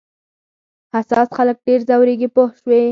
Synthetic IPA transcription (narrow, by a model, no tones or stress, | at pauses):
hasɑsxalək̚ɖeɾzawɾeɡipohʃwe